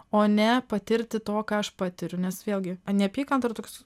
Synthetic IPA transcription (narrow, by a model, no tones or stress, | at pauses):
oːnʲɛpɐt̪ʲɪɾʲt̪ʲɪt̪oːkɑːɐʃpɑːt̪ʲɪɾʲʊnʲɛsʋʲeːlʲˠɡʲɪnʲɛpʲiːkɐnt̪ɐɾt̪oːkʲs